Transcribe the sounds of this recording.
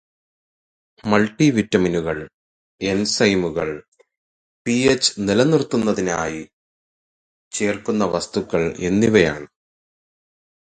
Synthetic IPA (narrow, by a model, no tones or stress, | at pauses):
mɐlʈːiʋitːɐminuɣɐɭ | e̞nsɐjmuɣɐɭ | piet͡ɕːɨ̥nilɐnirt̪ːunːɐðinaːji | t͡ɕe̞ːrkunːɐʋɐst̪ukːɐɭe̞̰nːiʋɐja̰ːɳɨ